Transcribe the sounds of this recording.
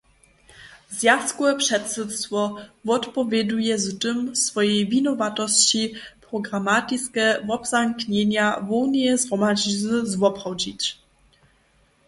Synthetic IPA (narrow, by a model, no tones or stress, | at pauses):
zjat̪skwɛpʂɛt̪sɨt̪st̪fɔvɔt̪pɔvʲjɛd̪ujɛztɨmsfɔjɛjvʲinɔvat̪ɔɕt͡ɕipɾɔɡɾamat̪iskɛvɔbzaŋkɲɛɲavɔwɲɛzɾɔmad͡ʑizvwɔpχɔwd͡ʑit͡ɕ